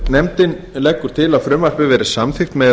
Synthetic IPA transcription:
nɛmt̪ɪn | lɛkːʏɾ̥t̪ʰɪlaðfɾʏːmvar̥pɪvɛːɾɪ̥samθɪxt̪mɛ

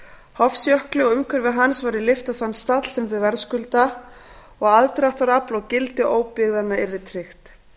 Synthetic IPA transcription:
hɔfsjœhklɪɔɣʏmkʰœɾvɪðɦansvajɾɪlɪft̪aθanːst̪at̪l̥sɛmθʏvɛɾskʏlt̪a | ɔɣaðt̪ɾaxt̪vaɾaplɔɣcɪlt̪ɪʔoːwpɪɣðanːaɪɾðɪt̪ʰɾɪxt̪

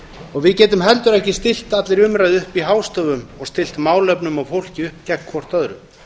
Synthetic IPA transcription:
ɔɣvɪðcɛːt̪ʏmɦɛlt̪ʏɾɛhcɪst̪ɪl̥t̪at̪lɪɾʏmɾajðʏhpiɦaːwst̪ɔvʏmɔɣst̪ɪl̥t̪maːwlœpnʏmawfowl̥cɪʏhpcɛkʰvɔr̥t̪œðɾʏm

